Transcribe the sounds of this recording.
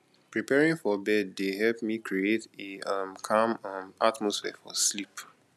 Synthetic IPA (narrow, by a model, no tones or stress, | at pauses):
pɹipɛɹĩŋfɔbɛdːeɦɛlpmikʰɹieteamkʰãmãmatmɔsfɛfɔ̰slip